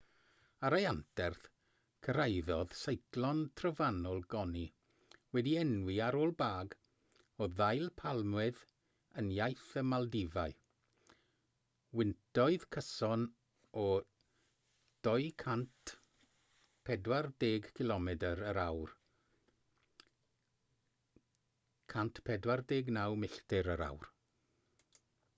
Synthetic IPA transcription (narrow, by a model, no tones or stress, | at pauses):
aɾajantʰɛrθ | kʰəɾajðɔð̥sejklˠɔntʰrəvanɔlˠɡɔni | wɛdiɛnwiaɾoːlˠbaːɡ | ɔðajlˠpʰalˠmwɪð | ənjajθəmalˠdɪvaɨ | wɪntɔɨð̥kʰəsɔn | ɔ | d̥ɔɨkʰant | pʰɛdwardeːɡkʰɪlɔmɛdəɾəɾawr | kʰantʰpʰɛdwardeːɡnawmɪɬtɪɾəɾa̰wr